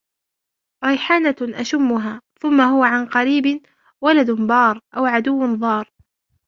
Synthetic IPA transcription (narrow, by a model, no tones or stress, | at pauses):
ɾˤɑjħaːnaʔaʃʊmːʊɦaːθʊmːaɦʊwaʕanqɑɾiːbɪ | walad̪nbɑːɾˤʔawʕad̪ʊwːnðˤɑːɾˤ